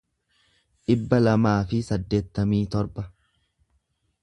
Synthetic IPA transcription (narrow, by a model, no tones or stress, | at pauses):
ᶑɪbːɐlɐmaːfɪsɐd̪ːe̞ːt̪ːɐmiːt̪ɔɾbɐ